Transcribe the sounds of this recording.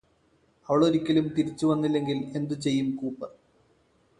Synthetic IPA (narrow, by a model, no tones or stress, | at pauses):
ɐʋɐɭoɾikʲːilumt̪iɾit͡ɕːuʋɐnːilːe̞ŋɡile̞nd̪ut͡ɕe̞jːumkuːpːɐr